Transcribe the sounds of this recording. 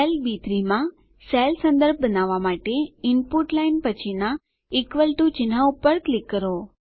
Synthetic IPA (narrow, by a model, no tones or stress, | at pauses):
elbit̪ɾimã | selsə̃nd̪əɾb̚ʱbənaʋamaʈeɪnpuʈlainpət͡ʃʰina | ikʋəlʈut͡ʃɪn̤aupəɾklikːəɾo